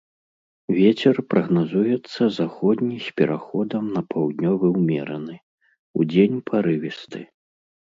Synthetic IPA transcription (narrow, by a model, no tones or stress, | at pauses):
vʲɛt͡sʲɛrpɾɐɣnazujɛt̪sːɐzaxɔd̪ʲnʲisʲpʲɛɾaxɔd̪ɐmnɐpʰawd̪nʲɔvɨwmʲɛɾɐnɨ | ṵd͡zʲenʲpʰaɾɨvʲist̪ɨ